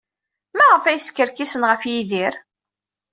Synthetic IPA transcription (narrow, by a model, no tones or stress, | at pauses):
mæʁəfæjskːəɾkisənʁəfjiðiɾ